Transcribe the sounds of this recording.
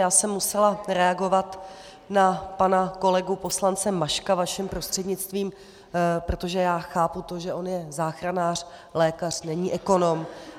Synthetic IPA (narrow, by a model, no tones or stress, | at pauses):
jaːsɛmːusɛlaɾɛaɡo̞vat̪ | napanako̞lɛɡupo̞slant͡sɛmaʃkavaʃɛmpɾo̞st̪r̥ɛdɲɪt͡st̪viːm | pɾo̞t̪o̞ʒɛjaːxaːput̪o̞ʒɛʔo̞njɛzaːxɾanaːr̝̥ | lɛːkar̝̥nɛɲiːʔɛko̞no̞m